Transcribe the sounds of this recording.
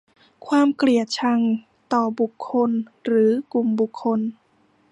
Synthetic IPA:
kʰwaː˧˥˨mkɾi˨˩ət̪̚t͡ɕʰa˧˥ŋ | t̪ɔː˨˩bu˨˩kʰːo˧˥nɾɯː˩˦ku˨˩mbu˨˩kʰːo˧˥n

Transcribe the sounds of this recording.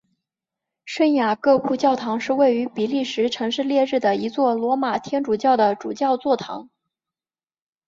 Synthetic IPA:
ʂə˥nja˨˩kɤ˥˧pʰu˥˧t͡ɕjɑ˥˩ʊt̪ʰɑ˧˥ŋʂɻ̩˥˧we˥˩ɪy˧˥pi˨˩li˥˩ʂɻ̩˧˥ʈ͡ʂʰɤ˧˥ŋʂɻ̩˥˧ljɛ˥˧ɻɻ̩˥˩d̪ə˩i˧˥t͡swɔ˥˩lwɔ˧˥ma˨˩t̪ʰjɛ˥nʈ͡ʂu˨˩t͡ɕjɑ˥˩ʊd̪ə˩ʈ͡ʂu˨˩t͡ɕjɑ˥˧ʊt͡swɔ˥˩t̪ʰɑ̰˧˥ŋ

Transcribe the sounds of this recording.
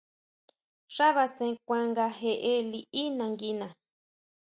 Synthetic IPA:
ʂa˦βa˧sẽ˧kʷã˧ŋɡa˧ɦe˧ʔe˦li˧ʔi˦nã˧ŋɡi˧nã˨

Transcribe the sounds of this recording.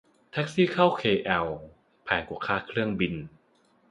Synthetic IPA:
t̪ʰa˦˥k̚siː˥˩kʰa˥˩wkʰeː˧˩ʔɛ˨˩w | pʰɛː˨˩nku˨˩kʰaː˥˩kʰɾɯ˥˩əŋbi˧n

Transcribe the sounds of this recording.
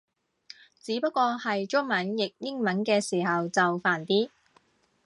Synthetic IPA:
t͡siː˨˥pɐ˥t̚kʷːɔː˧hɐ˨jt͡ʃʊ˥ŋmɐ˨˥njɪ˨k̚jɪ˥ŋmɐ˨˥nkɛː˧siː˨˩ɦɐ˨wt͡sɐ˨wfaː˨˩nt̪iː˥

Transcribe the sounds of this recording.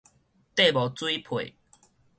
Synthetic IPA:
t̪e˥˨bɔ˨˩t͡swi˦pʰwe˨

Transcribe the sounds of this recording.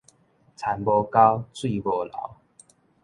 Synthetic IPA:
t͡sʰa˨˦nbɔ˧ka˦ʊt͡swi˥˧˨bɔ˧la̰˨˦ʊ

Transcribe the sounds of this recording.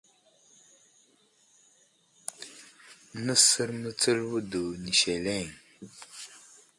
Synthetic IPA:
nə˦sə˦ɾmə˦t͡sə˦lwu˦du˨ni˨ʃe˨le˦˨ŋ

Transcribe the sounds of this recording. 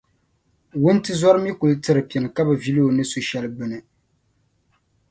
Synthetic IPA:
wʊ˦n˦tɨ˦zɔ˦ɾɨ˦mi˦ku˨lɨ˦tɨ˦ɾɨ˨pi˨ɛ˨nɨ˨ka˦bɨ˨vi˦li˦o˨nɨ˦so˨ʃɛ˦lɨ˦bɨ˨nɨ˨

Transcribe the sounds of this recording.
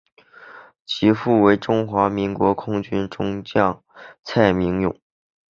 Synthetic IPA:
t͡ɕʰi˧˥fu˥˩we˧˥ɪʈ͡ʂʊ˥ŋxwa˧˥mi˧˥ŋkwɔ˧˥kʰʊ˥ŋt͡ɕy˥nʈ͡ʂʊ˥ŋt͡ɕjɑ˥˩ŋ | t͡sʰa˥˩ɪmi˧˥ŋjʊ̰˨˩˦ŋ

